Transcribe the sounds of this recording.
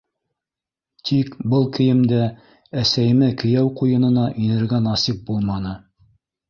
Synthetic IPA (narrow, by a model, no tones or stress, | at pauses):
t̪ʰikbɤlˠkɘ̆jɘ̆md̪æ | æsæjɘ̆mɘkɘ̆jæwqujɤ̆nɤ̆nɑʔinɘ̆ɾɡænɑsip̚bulˠmɑnɤ